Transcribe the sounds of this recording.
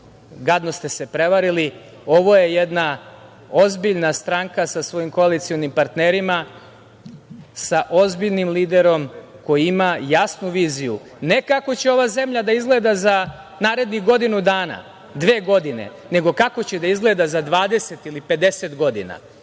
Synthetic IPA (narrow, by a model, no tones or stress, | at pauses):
ɡad̪no̞st̪e̞se̞pɾe̞ʋaɾili | o̞ʋo̞je̞jed̪na | o̞zbiʎnast̪ɾaːŋkasasʋo̞jimko̞alit̪sio̞nimpaɾt̪neɾima | saʔo̞zbiʎnimliːd̪e̞ɾo̞mko̞jiimajasnuʋiːziju | ne̞kako̞t͡ɕeo̞ʋaze̞mʎad̪aizɡle̞ːd̪aza | naːɾe̞d̪niɣɡo̞d̪inud̪aːna̰ | d̪ʋe̞ːɡo̞d̪ine̞̰ | ne̞ɡo̞kako̞t͡ɕed̪aizɡle̞d̪azad̪ʋaːd̪e̞se̞t̪ilipe̞d̪e̞set̪ɡo̞d̪ḭna̰